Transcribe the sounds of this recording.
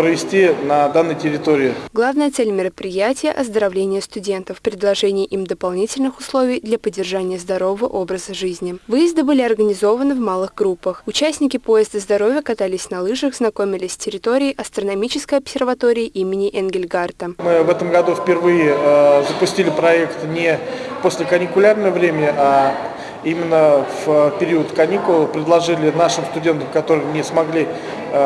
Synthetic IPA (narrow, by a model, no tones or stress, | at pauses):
pɾəvʲɪsʲtʲinɐd̪anːɨjtʲɪɾʲɪt̪oɾʲɪɪɡlˠavnəjət̪sɛlʲmʲɪɾəpɾʲɪjætʲɪjəʔɐzd̪əɾɐvlʲenʲɪjəst̪ʊdʲe̞nt̪əfpɾʲɪd̪lˠɐʐɛnʲɪjəʔimd̪əpɐlˠnʲitʲɪlʲnɨxʊslˠo̞vʲɪjd̪lʲɐpədʲːɪrʐanʲɪjəzd̪ɐɾo̞vəvəʔo̞bɾəzəʐɨzʲnʲɪvɨjɪzd̪ɨbɨlʲɪɐrɡənʲɪzo̞vənɨvmalˠɨɣɡɾupːəxʊt͡ɕæsʲnʲɪkʲɪpo̞jɪzd̪əzd̪ɐɾo̞vʲjəkɐt̪alʲɪsʲnɐlˠɨʐəxznɐko̞mʲɪlʲɪsʲstʲɪɾʲɪt̪o̞ɾʲɪːʔɐst̪rənɐmʲit͡ɕɪskəjɐpsʲɪrvɐt̪o̞ɾʲɪɪʔimʲɪnʲɪʔɛnɡʲɪlʲɡart̪əmɨvɛt̪əmɡɐd̪ufpʲɪrvɨjɪzəpʊsʲtʲilʲɪpɾɐɛkt̪nʲɪposʲlʲɪkənʲɪkʊlʲarnəjəvɾʲemʲɪnʲɪʔa | imʲɪnːəvpʲɪɾʲiʊət̪kɐnʲikʊlˠpɾʲɪd̪lˠɐʐɨlʲɪnaʂɨmst̪ʊdʲe̞nt̪əmkɐt̪o̞ɾɨjnʲɪsmɐɡlʲi